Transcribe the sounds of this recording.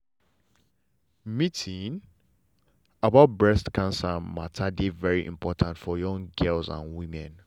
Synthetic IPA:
mitʰĩn | abaʊt̚bɹɛstkãnsamatʰadevɛɹiʔḭ̃mpʰɔtʰãntfɔjɔ̃ŋɡɛlzã̰nwĩmɛ̃n

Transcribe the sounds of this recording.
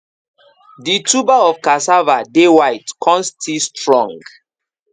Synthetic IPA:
ditubaɔfkasavadewajtkʰɔ̃nstʰistɹɔ̃ŋɡ

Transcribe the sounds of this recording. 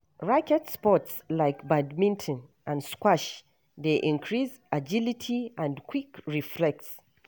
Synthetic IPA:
ɹakɛdspɔtslaɪkbadmĩntʰə̃nʔə̃nskwaʃ | ðeʔĩnkʰɹiz | ad͡ʒilitʰiə̃nkʰwikɹiflɛk̚ts

